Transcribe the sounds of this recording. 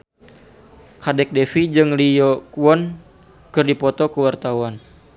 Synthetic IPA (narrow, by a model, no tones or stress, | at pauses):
kadɛk̚dɛfid͡ʒɨŋlijɔkuwɔn | kɨrdipɔt̪ɔkəwart̪awan